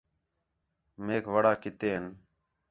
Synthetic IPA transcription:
meːkʋəɽaːkɪt̪eːɦən

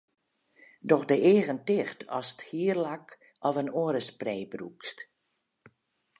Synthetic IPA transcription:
dɔxdəeːɣəntɪxtɔ̰sə̥thiːərlak | ɔvənoːəɾəspreːbrṵkst

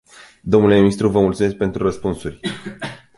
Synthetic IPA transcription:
d̪o̞mnule̞minist̪ɾuvəmult̪sume̞s̬k̚pe̞nt̪ɾurəspunsurʲ

